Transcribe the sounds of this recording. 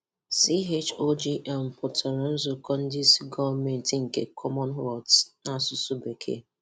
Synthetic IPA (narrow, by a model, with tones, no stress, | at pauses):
si˦ɦe˦t͡ʃo˦d͡ʒi˦ʔɛ˨m̩˨pɔ˨tʰɛ˨ɾɔ˨n̩˦zʊ˨kɔ˦n̩˦dɪ˦si˦ɡɔ˦me˨n˨ti˨ŋ̩˨ke˨kʰɔ˦mɔ˦nɦɔ˨tna˦sʊ˦su˦be˨kʰḛ˦